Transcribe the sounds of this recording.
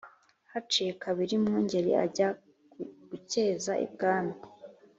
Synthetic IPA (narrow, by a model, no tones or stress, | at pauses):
hat͡ʃijekaβiɾimŋuːɲɟe̞ɾḭʔa̰ɟa | ɡ̥uceːzaʔḭb̚ɡaːna